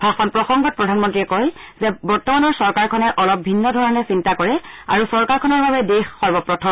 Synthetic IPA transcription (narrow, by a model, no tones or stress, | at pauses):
bʱaxɔnpɹɔxɔŋɡɔt̚pɹɔdʱanmɔntɹiɛkojzɛbɔɹtɔmanɔɹsɔɹkaɹkʰɔnɛʔɔlɔp̚bʱinːɔdʱɔɹɔnɛsintakɔɹɛa̰ɹusɔɹkaɹkʰɔnɔɹbabɛdexxɔɹbɔpɹɔtʰɔm